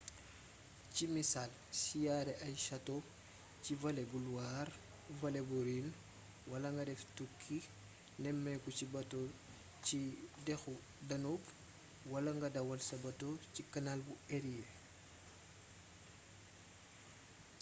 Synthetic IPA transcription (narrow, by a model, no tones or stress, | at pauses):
cimisaːl | sijaːɾɛʔɐjʃɐto | civɐlɛbuluwar | vɐlebuɾin | wɐlɐŋɡɐdɛftukʰːi | nɛmːɛkut͡ʃibɐto | cidɛxu | dɐnub | wɐlɐŋɡɐdɐwɐlsɐbɐtocikɐnalbueɾie